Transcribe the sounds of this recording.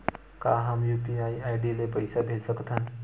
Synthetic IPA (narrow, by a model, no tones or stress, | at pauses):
kaɦamjupiajajɖilepəjsabʱesəkt̪ʰan